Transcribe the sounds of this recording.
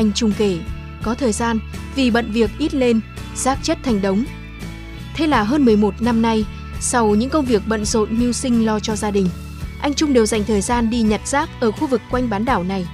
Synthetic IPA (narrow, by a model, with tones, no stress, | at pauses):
ʔa˧jŋ̟t͡ɕʊ˧ŋ͡mke˧˩ | kɔ˨˦t̪ʰəː˨˩jzaː˧n | vi˨˩ɓə̰˧˨nvi˨˩ək̚ʔi˦˥t̚le˧nz̥aː˦˥k̚t͡ɕə˦˥t̚t̪ʰa˨˩jŋ̟ɗə˨˦wŋ͡m | t̪ʰe˧˦laː˨˩ɦəː˧nmɨ˨˩əjmo˨˩t̚na˧mna˧j | sa˧wɲɨ̰˧˥ŋkə˧wŋ͡mvi˨˩ək̚ɓə̰˧˨nzo̰˧˨nmi˧əwsï˧ŋ̟lɔ˧t͡ɕɔ˧zaː˧ɗï˨˩ŋ̟ | ʔa˧jŋ̟t͡ɕʊ˧ŋ͡mɗe˨˩wza˨˩jŋ̟t̪ʰəː˨˩jzaː˧nɗi˧ɲa˨˩t̚z̥aː˦˥k̚ʔəː˧˩xu˧vɨ˨˩kːwa˧jŋ̟ɓaː˨˦nɗaː˧˩wna˨˩j